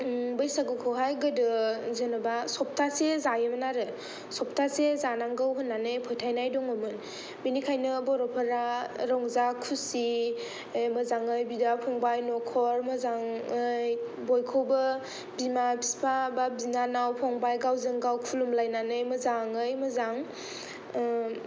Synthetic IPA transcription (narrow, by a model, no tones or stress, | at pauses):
bɯjsaɡɯkʰɯwɦajɡɯdɯzɯnɯbasɔp̚tʰasezajɯmɯnaɾɯ | sɔp̚tʰasezanaŋɡawɦɯnːanɯjpʰɔjtʰajnajdɔŋomɯn | binikʰajnɯbɔɾɔpʰəɾaɾɔŋzakʰusi | mɯzaŋɯjbidapʰɔŋbajnɔkʰɔɾmɯzaŋɯj | bɔjkʰowbɯ | bimabispʰababinanawpʰɔŋbajɡawzɯŋɡawkʰulumlajnanɯjmɯzaŋɯjmɯzaŋ